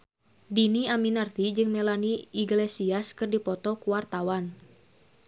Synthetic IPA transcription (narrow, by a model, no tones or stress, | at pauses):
diniaminart̪id͡ʒɨŋmɛlaniiɡlesiaskɨrdipɔt̪ɔkuwart̪awan